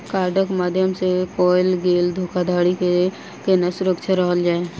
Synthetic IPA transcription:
kaːɾɖəkmaːd̪ʱjəmsekɔːɪlɡeːld̪ʱoːkad̪ʱaːɽike | kenasʊɾəkt͡ʃʰaɾəɦəld͡ʒaːe

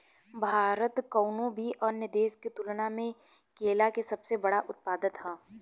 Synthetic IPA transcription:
bʱaːɾət̪kɐʊnõbʱiʔɔːɾnɪd̪eːʃket̪ʊlnamẽkeːlakesɐbsebɐɽaʔʊt̪̚paːd̪ət̪ɦɛː

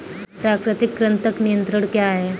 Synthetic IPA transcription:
pɾakɾit̪ikːɾənt̪əknijənt̪ɾəɽkjaɦe

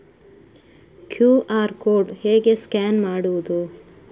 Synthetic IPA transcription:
kjuːaːɾkoːɖheːɡeskʲaːnmaːɽuʋud̪u

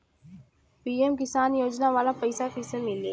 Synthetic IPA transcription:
piːemkɪsaːnjoːd͡ʒnaʋaːlapɐɪsafiːsəmɪleː

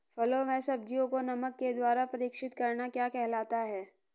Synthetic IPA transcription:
fʰɐlomɛ̃ːsɐb̚d͡ʒiõkonɐməkːed̪waːɾapɐɾiːkʃɪt̪kɐɾnakjaːkɛɦlaːt̪aɦɛː

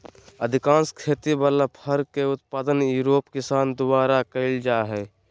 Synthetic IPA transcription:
əd̪ʱikãːnskʰeːt̪ibaːlapʰəɾkeʊt̪̚paːd̪ənjuɾoːpkɪsaːnd̪ʊbaːɾakəɪld͡ʒaɦɛː

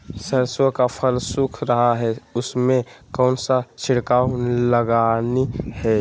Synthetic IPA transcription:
səɾswəkapʰəlsʊkʰɾəɦaɦɛʊsmẽkɔʊnsat͡ʃʰɪɽkaːʊləɡaːnihɛː

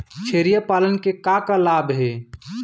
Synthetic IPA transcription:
t͡ʃʰeːɾijapaːlənkekakalaːbɦe

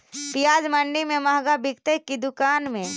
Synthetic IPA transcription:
pɪjaːd͡ʒməɳɖimẽmɐɦɡabɪɡt̪ekːid̪ʊkaːnmẽ

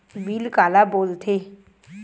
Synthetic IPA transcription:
biːlkaːlaboːlt̪ʰeː

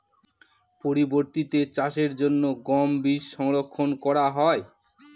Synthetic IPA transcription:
poɾiboɾt̪it̪et͡ɕaʃeɾd͡ʑonːoɡɔmbiʃʃɔŋɾokʰːonkɔɾaɦɔe

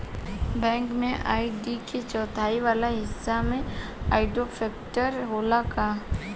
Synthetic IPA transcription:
bɛ̃ːŋkmẽʔaːiɖiket͡ʃɔːt̪ʰaːiʋaːlaɦɪsːamẽaːɪɖofʰɛːk̚ʈəɾɦoːlakaː

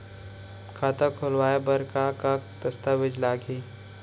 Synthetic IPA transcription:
kʰaːt̪akʰʊlwaːjabəɾkakakt̪ɐst̪aʋɪd͡ʒlaːɡʱiː

